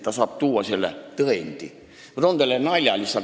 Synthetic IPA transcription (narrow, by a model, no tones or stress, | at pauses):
t̪ːæsɑːpt̪uːwɑsielːæ̰t̪əent̪ḭ | ʋrond̪elːenɑilʲɑlʲisːɑ